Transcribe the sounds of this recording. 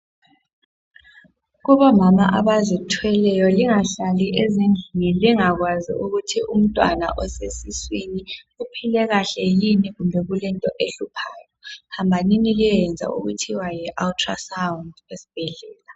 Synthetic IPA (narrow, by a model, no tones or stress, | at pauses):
ɣuβɔmamaʔaβazitʰwɛlɛjɔliŋaɬaliʔezind͡ɮʱiniliŋaɣwazḭʔuɣutʰium̩tʼwa̰na̰ʔɔsesiswini | upʰilɛɣaɬɛjiniɣumbʱɛɣulɛntʼɔʔeɬupʰaːjɔhambʱaniniliɛnd͡zʱa̰ṵɣutʰiwajɛʔaltʰʼra̰sawundesi̥b̥ʱɛɮɛːla